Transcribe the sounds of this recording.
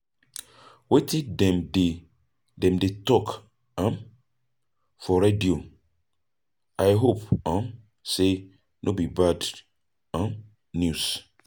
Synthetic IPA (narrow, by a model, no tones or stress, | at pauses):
wetʰĩdɛ̃mde | dɛ̃mdetɔk | ãm | fɔɾedio | ʔajɦopãn | se | nʔobibad | ãn | njus